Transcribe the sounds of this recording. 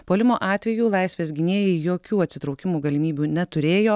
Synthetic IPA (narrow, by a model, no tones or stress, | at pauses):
poːlʲɪmoːʔɑːt̪ʲʋʲɛjuːlˠɐɪsʲʋʲeːsɡʲɪnʲeːjɛjoːkʲuːɐt̪ʲsʲɪt̪ɾɒʊkʲɪmuːɡɐlʲɪmʲiːbʲuːnʲɛt̪ʊɾʲeːjoː